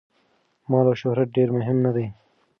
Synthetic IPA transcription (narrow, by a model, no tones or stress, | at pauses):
mɑːlaʃʊɦɾat̪̚ɖeːɾmʊɦɪmnad̪ej